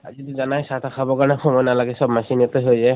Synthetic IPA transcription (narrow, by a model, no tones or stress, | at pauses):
a̰zituzanajsatʰakʰabɔkanaxʰɔmɔjnalaɡɛsɔbmasinɔtɔjɦojzɛ